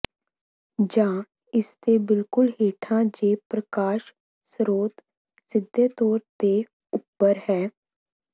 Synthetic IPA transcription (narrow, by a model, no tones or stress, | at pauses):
d͡ʒãː | ɪst̪ebɪlkʊlɦeːʈʰãd͡ʒeːpɾəkaːʃ | sɾoːt̪ | sɪd̪ʱːet̪ɔːɾt̪e | ʊpːəɾɦɛː